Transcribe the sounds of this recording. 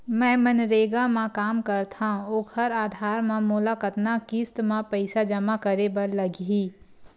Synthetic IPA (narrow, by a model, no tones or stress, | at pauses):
mɛ̃ːmɐnɾeːɡamãkaːmkɐɾt̪ʰãoːkʰhəɾaːd̪ʱaːɾmẽmʊlakət̪nakist̪mãpəɪsad͡ʒɐmakəɾebəɾlɐɡiː